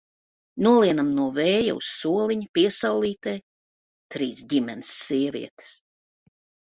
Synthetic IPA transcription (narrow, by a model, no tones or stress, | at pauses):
nuɔlˠiɛnamnuɔvɛːja̰ṵsːuɔliɲupiɛsawlˠiːt̪ɛj | t̪ɾiːsɟimɛnsːiɛvḭɛt̪e̥s